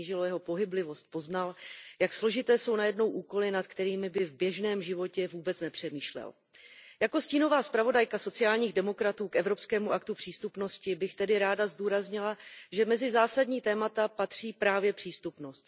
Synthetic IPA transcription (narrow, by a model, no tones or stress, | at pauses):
iːʒɪlojɛɦo̞po̞ɦɪblɪvo̞st̪̚po̞znaljakslo̞ʒɪt̪ɛːso̞wnajɛdno̞wʔuːko̞lɪnat̪kt̪ɛɾiːmɪbɪvbjɛʒnɛːmʒɪvo̞cɛvuːbɛt͡snɛpr̝̥ɛmiːʃlɛ̰l | jako̞sciːno̞vaːspɾavo̞dajkaso̞t͡sɪaːlɲiːɣdɛmo̞kɾat̪uːkʔɛvɾo̞pskɛːmuʔakt̪upr̥iːst̪upno̞scɪbɪxt̪ɛdɪɾaːdazduːɾazɲɪlaʒɛmɛzɪzaːsadɲiːt̪ɛːmat̪apat̪r̝̥iːpɾaːvjɛpr̝̥iːst̪upno̞st̪